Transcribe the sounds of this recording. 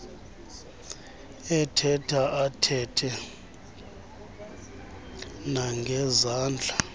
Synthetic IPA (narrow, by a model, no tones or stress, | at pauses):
ɛtʰɛtʰaʔatʰɛtʰɛ | naŋɡʱɛzaːnd͡ɮʱa